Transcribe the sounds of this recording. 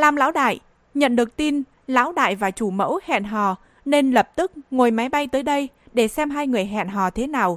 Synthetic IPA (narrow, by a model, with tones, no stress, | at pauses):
laː˨˩mla̰ː˧˥wɗa̰ː˧˨j | ɲə̰˧˨nɗɨ˨˩ək̚t̪i˧n | la̰ː˧˥wɗa̰ː˧˨jvaː˨˩t͡ɕu˧˩mə̰˧˥whɛ̰˧˨nɦɔ̰˧˨˩ | ne˧nlə˨˩p̚t̪ɨ˦˥k̚ŋo˨˩jma˨˦jɓa˧jt̪əː˨˦jɗə˧j | ɗe˧˩sɛ˧mɦaː˧jŋɨ˨˩əjɦa̰ː˧˨nɦɔ̰˨˩t̪ʰe˨˦naː˨˩w